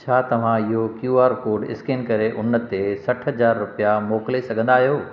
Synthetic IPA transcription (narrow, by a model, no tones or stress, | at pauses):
t͡ɕʰaːt̪ɐʋ̤ãɪɦokjuːaːɾkoːɾɖɪ̰skeːnkɐɾeʔʊnə̆t̪esɐʈʰɦɐzaːɾːʊpijamoːklesɐɡʱə̃nd̪aːɦijoː